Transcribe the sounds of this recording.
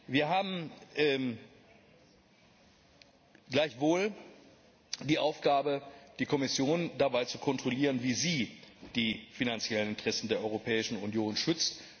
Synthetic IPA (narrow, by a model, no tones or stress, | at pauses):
viːɐɦaːbm̩ʔɛ | ɡlaɪçv̥oːl | diːʔaʊfɡ̥aːbəd̥iːkʰɔmɪsjoːndabaɪt͡sukʰɔntʁ̥oliːʁ̞ənviːziːd̥iːfinant͡sjɛlənɪntʁ̥ɛsn̩deːɐʔɔʏʁopʰɛːɪʃn̩unjoːnʃʏt͡st